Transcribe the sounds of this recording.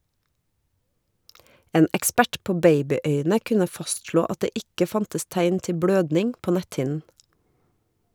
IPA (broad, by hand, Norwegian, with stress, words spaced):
ˈeːn ɛkˈspæʈ ˈpoː ˈbeɪbɪˌœʏnə ˈkʉnə ˈfɑstʃloː ˈɑt ˈdeː ˈɪkə ˈfɑntəs ˈtæɪn ˈtɪ ˈbɽøːdnɪŋ ˈpoː ˈnɛthɪn